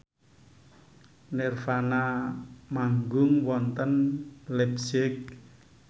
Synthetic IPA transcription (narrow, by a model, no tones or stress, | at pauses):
nɛrfanamaŋɡʊŋwɔnt̪ənlɛpsɪk̚